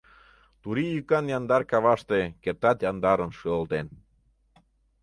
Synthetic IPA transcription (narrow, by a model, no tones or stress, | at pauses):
t̪uɾijykɑnjɑnd̪ɑrkɑβɑʃt̪ekert̪ɑt̪jɑnd̪ɑɾənʃøolt̪en